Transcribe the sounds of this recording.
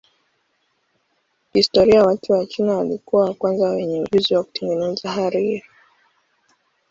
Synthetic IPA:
histɔɾiawatʰuwat͡ʃinawalikuwawakwanzawɛɲɛuʄuziwaku̥tɛŋɡɛnɛzaɦaɾiɾi

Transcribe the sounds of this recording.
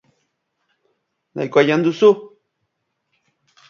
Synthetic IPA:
na̰jkʷajand̪usu

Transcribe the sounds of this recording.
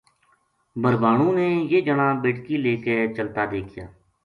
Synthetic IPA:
bəɾbaːɳ̃ũːneːjeːd͡ʒəɳãːbeːʈkiːleːket͡ʃəlt̪aːd̪eːkʰja̰ː

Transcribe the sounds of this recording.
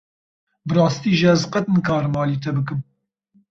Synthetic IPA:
bɨɾɑːst̪iːʒɪɛzqɐt̪ɨnkʰɑːɾmɑːliːt̪ʰɛbɨkɨm

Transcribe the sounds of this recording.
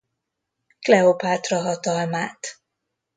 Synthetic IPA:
klɛopaːt̪rɒɦɒt̪ɒlmaːt̪

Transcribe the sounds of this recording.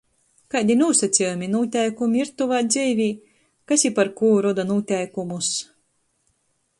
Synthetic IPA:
kad̪ʲinuːsat̪sʲijumʲinuːt̪ʲɛjkumʲiiɾt̪uvaːd̪zʲɛjvʲiː | kasipaɾkuːɾɔd̪anuːt̪ʲɛjkumus

